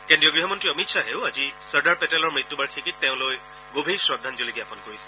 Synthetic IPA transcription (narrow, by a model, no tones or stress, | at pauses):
kendɹijɔɡɹiɦɔmɔntɹiɔmitʃʰaɦeʊazisəɹdaɹpɛtɛlɔɹmɹit̪ːubaɹkʰikit̚ːɛʊ̃loj | ɡobʱiɹsɹɔdʱːanzoliɡjapɔnkoɹisɛ̥